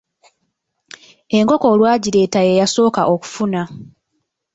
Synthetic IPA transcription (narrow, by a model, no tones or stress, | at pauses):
e̞ŋko̞ko̞ːlwaːɟiɾe̞ːtajejaso̞ːkaʔo̞ku̥funa